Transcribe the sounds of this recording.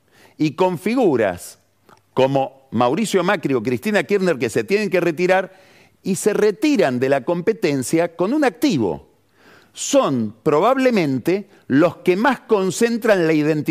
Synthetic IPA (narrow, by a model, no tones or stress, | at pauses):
iko̞ɱfiɣuɾa̰s | ko̞mo̞ | mawɾisjo̞makɾio̞k̬ɾist̪inakiɾneɾkese̞t̪jeneŋkeret̪iɾaɾ | ise̞ret̪iɾand̪e̞lako̞mpe̞t̪e̞nsjako̞nunak̚t̪iβo̞̰ | so̞npɾo̞β̞aβle̞mẽ̞nt̪e | lo̞skemasko̞nse̞nt̪ɾanlaiðe̞nt̪